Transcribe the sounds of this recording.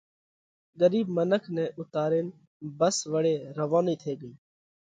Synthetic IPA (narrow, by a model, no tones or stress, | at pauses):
ɡəɾiːbmənəkʰnɛ̃ːʔʊt̪aːɾeːn | bəsʋəɽeːɾəʋaːniːt̪ʰeːɡəiː